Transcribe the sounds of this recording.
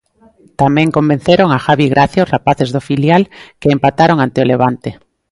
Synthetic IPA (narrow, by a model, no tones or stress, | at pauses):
t̪amẽŋkomben̟θeɾoŋaxaβiɣɾʔaθjaozrapaθezðofiljalkeːmpat̪aɾoŋant̪eoleβ̞ant̪e